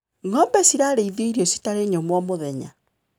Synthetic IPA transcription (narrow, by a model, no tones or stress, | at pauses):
ŋɔmbɛsiɾaːɾeiðeiɾiosi̥taɾeɲɔmwɔmoðɛɲa̰